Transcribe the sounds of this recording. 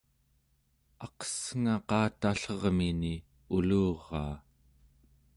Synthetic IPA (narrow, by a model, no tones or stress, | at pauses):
ɑqʌ̥sŋaqɑːt̪aɬʌʁmini | uluːʁːɑː